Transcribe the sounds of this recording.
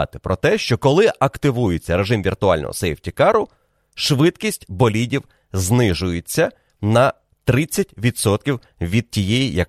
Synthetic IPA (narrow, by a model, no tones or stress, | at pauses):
ɑ̰t̪ɪ̥pɾʔɔt̪ɛʃt͡ʃɔkɔlˠɪʔɐkt̪ɪʋujet͡sʲːɐɾe̞ʒɪmʋʲirt̪ʊɑlʲnɔ̰ɦɔ̰sɛjwtʲikɑɾʊ | ʃʋɪd̪kʲisʲtʲbɔlʲidʲiw | znɪʒʊjet͡sʲːɐ | nɐ | t̪ɾɪt͡sʲːɐtʲʋʲid̪sɔt̪̚kʲiw | ʋʲid̪̚tʲijɛjijɐk